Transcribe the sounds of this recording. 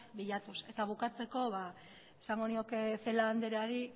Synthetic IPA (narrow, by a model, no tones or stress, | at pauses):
biʎat̪use̞t̪aβ̞ukat͡se̞ko̞βa | esaŋɡo̞nio̞ke̞θe̞laːnd̪eɾeaɾi